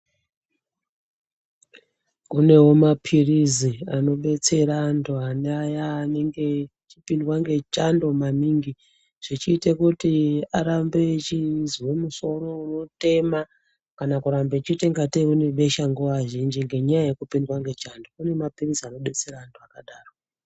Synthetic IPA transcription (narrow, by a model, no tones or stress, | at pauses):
kune̞wo̞mapʰiriziano̞ɓe̞t͡se̞ɾaːntʰuaneajaːne̞ŋɡe̞ | t͡ʃipindwaŋɡe̞t͡ʃando̞maniːŋɡi | ʐ̥it͡ʃiːtekutiaɾambe̞t͡ʃiziwomuso̞ɾo̞unote̞ma | kanakuɾambe̞t͡ʃiteŋɡateune̞ɓe̞ʃaŋɡuʋaʒind͡ʒiŋɡe̞ɲajajekupindwaŋɡe̞t͡ʃando̞kune̞mapiriziano̞ɓe̞t͡se̞ɾaːntʰuakaɗaːro